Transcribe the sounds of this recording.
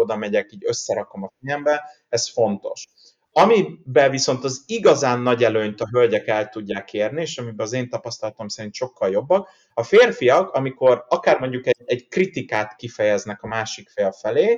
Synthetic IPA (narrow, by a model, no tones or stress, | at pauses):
od̪ɒmɛɟɛkiːɟø̞sːɛɾɒko̞mɒfijɛmbɛ | ɛsfo̞nt̪o̞̰ʃ | ɒmibɛviso̞nt̪ɒziɡɒzaːnːɒɟɛløːɲt̪ɒɦø̞lɟɛkɛlt̪uɟːaːkʰeːrnieːʃɒmibɛɒzeːnt̪ɒpɒst̪ɒlɒt̪o̞msɛɾint̪ʃo̞kːɒljo̞bːɒk | ɒfeːrfijɒkɒmiko̞rɒkaːrmo̞ɲɟukɛɛɟkrit̪ikaːt̪kifɛjɛznɛkɒmaːʃikfeːlfɛleː